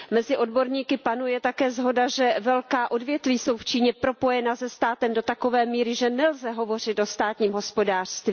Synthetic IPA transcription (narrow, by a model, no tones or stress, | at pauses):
mɛzɪʔo̞dbo̞ɾɲiːkɪpanujɛt̪akɛːzɦo̞daʒɛvɛlkaːʔo̞dvjɛt̪viːso̞wft͡ʃiːɲɛpɾo̞po̞jɛnazɛst̪aːt̪ɛmdo̞t̪ako̞vɛːmiːɾɪʒɛnɛlzɛɦo̞vo̞r̝ɪt̪ʔo̞st̪aːt̪ɲiːmɦo̞spo̞daːr̥st̪viː